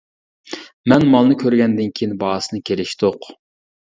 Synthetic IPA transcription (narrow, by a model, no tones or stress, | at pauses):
mɛnmɑlˠnɨkʲʰøɾɡʲɛnd̪ɪnkʲʰejinbɑːsɨnɨkʲʰelɪʃt̪oq